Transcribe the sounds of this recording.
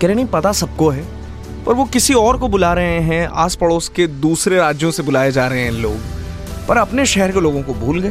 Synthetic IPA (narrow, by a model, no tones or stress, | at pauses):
kɛːɾenɐ̃ĩpɐt̪asɐb̚koɦɛː | ɔ̰ːɾʋokɪsiɔːɾkobʊlaːɾɐɦẽɦɛ̃a̰ːspɐɽoːsked̪uːsɾeɾaːd͡ʒjõsebʊlaːjed͡ʒaːɾɐɦeɦɛ̃loːɡ | pɐɾɐpneʃɛɦɛɾkeloːɡõkobʱuːlɡɐe